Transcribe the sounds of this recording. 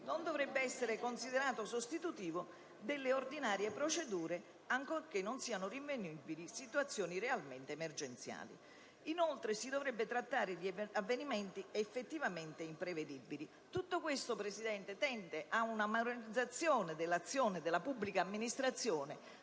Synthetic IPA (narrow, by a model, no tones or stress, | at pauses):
nond̪ovɾɛbːeɛsːeɾɪkonsid̪eɾaːt̪osost̪it̪ut̪iːvo | d̪ɪlːeord̪inaːɾjepɾot͡ʃed̪uːɾe | aŋkork̟enːʊnsiːanʊriɱvenibilisit̪uat̪sːjɔːniɾealment̪eːmerd͡ʒent̪sja̰ːlḭ | inolt̪ɾesid̪ovɾɛbːet̪ɾat̪ːaːɾɪd̪iavːenimɛnt̪iefːet̪ːivament̪ɪimpɾeved̪ibːili | t̪ut̪ːokwest̪opɾesid̪ɛnt̪et̪ɛnt̪eʔaunamaɾɾid̪zːat̪sːjɔːnɪd̪ɪlːat̪sːjɔːnɪd̪ɪlapubːlikaːmːinist̪ɾat̪sːjɔːnɪ